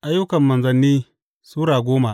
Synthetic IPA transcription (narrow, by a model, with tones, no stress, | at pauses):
ʔa˦jːʊ˦kɐ˨mːɐ˨nzɐ˨nːiː˦ | suː˦ɽaː˨ɡʷoː˦ma˨ʔ